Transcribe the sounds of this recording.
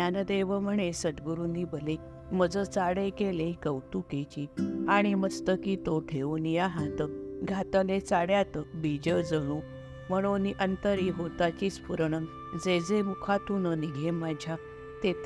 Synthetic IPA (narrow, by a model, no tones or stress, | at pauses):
anəd̪eʋəm̤əɳ̃esəd̪ɡəɾunibəle | məd͡zət͡saɽekeleikəwt̪uket͡ɕiaɽ̃iməst̪əkit̪oʈ̪ʰeunjaɦãt̪əɡʱat̪ənet͡saɽjat̪bid͡ʑəd͡zəɽ̃ũ | m̤əɽ̃oniʔənt̪əɾiɦot̪at͡ɕiːt͡spuɾɳə | d͡zed͡zemukʰat̪unəniɡʱemad͡ʑʱja | t̪et̪